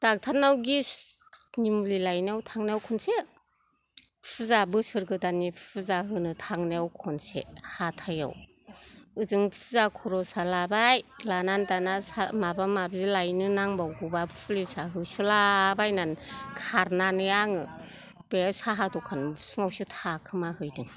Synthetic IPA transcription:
d̥ak̚tʰanawɡi | nimulilajnawtʰaŋneawkʰɔnse | pʰuzabɯsɯɾɡɯdanipʰpʰɯzaɦɯnɯtʰaŋneawkʰɔnsḛhatʰaja̰w | ɯzɯŋpʰuzakʰɔɾɔsalabajlanandanasamabamabzilajnɯnaŋbawɡɯbapʰlisaɦɯsɯlabajnankʰaɾnanɯjaŋɯ | b̥esaɦadɔkʰansɯŋawsutʰakʰɯmahɯjdɯŋ

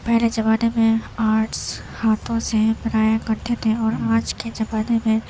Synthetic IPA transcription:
pɛɦled͡ʒɐbaːnemẽaːɾʈs | haːt̪ʰõsepɾaːjakɐɾt̪ʰet̪ʰeɔːɾaːd͡ʒked͡ʒɐbaːnemẽ

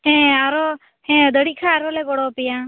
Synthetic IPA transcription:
ɦɛ̃aɾɔ | hɛ̃d̪əɽikʰaːɾɔlɛɡɔɽɔpija

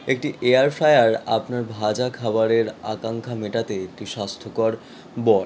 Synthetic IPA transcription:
ek̚ʈiʔeaɾfɾajaɾa̰pnaɾbʱad͡ʑakʰabaɾeɾakaŋkʰameʈat̪eek̚ʈiʃast̪ʰokɔɾ | bɔl

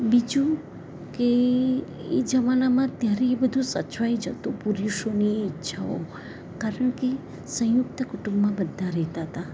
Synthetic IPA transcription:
bid͡ʒũ | ke | ed͡ʒəmanamãt̪jaɾebəd̪ʱũsət͡ʃʋajd͡ʒət̪ũpuɾiʃoniːtːʃʰao̰ | kaɾəɳke | sə̃jʊk̚t̪əkuʈũmbmãbəd̪ʱːaɾɛɦt̪aɦət̪a

